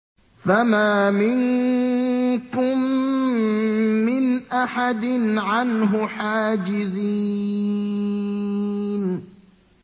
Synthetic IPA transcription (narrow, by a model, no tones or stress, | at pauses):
famaːmɪŋ | kʊm | ɪnʔaħad̪ɪnʕanɦʊħaːd͡ʒɪzi | n